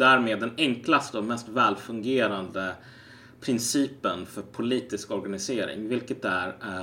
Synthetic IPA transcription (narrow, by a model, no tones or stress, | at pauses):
d̪æːɾmeːd̪ːɛnɛŋklast̪əɔmɛst̪vɛːlfɵŋɡeːɾand̪ə | pʰɾɪnsiːpənfœɾpʰʊliːt̪ɪskɔɾɡanɪseːɾɪ̰ŋvɪlkət̪̚æɾæ